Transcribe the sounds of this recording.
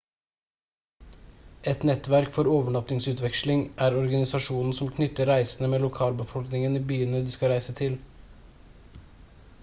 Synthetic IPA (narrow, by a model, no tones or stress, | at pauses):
ʔɛt̪nɛt̪ʋæɾkfɔɾoːʋəɳɑt̪nɪŋsʉːt̪ʋɛkʃlɪŋʔæːɾɔɾɡɑnɪsɑʃuːnn̩sɔmkʰnʏt̪əɾɾæɪsnəmeːlʊkʰɑːlbəfɔlknɪŋəniːbyːənəd̪iːskɑɾæɪsət̪ʰɪl